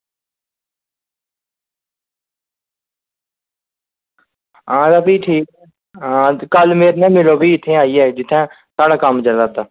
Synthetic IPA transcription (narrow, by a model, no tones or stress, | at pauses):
ɦãːd̪aːpiːʈʰiːkɛː | ɦãːkəlmeːɾnɛ̃ːmɪloːbʱiːɪt̪ʰːẽːaːiːɛːd͡ʒɪt̪ʰːɛ̃ː | saːɽaːkəmd͡ʒəlaːt̪aː